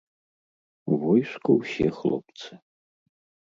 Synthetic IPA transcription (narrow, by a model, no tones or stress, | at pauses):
vɔjʂkʰʊwsexlˠo̰pt͡sʰɨ